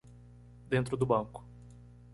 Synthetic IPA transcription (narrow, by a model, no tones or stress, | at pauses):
d̪ẽnt̪ɾʊd̪ʊbɐ̃ŋkʊ̥